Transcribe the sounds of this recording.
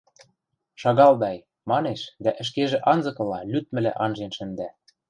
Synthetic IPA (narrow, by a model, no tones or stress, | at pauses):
ʃɑɣɑld̪ɑj | mɑneʃd̪æʔɘ̆ʃ̬keʒĕʔɑnzɤ̆kɤ̆lɑlʲyt̪̚mɘ̆læ̰ʔɑnʒenʃɘ̆nd̪æ